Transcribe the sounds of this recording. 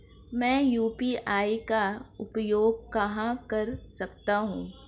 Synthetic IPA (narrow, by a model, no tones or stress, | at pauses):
mɛ̃ːjuːpiʔaːikaʊpjoːɡ̚kɐɦãkɐɾsɐkt̪aɦũː